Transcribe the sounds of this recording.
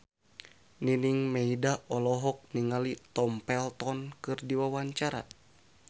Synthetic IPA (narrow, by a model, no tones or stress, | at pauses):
niniŋmɛidaʔɔlɔɦɔk̚niŋalit̪ɔmpɛlt̪ɔnkɨrdiwawaɲt͡ʃaɾa̰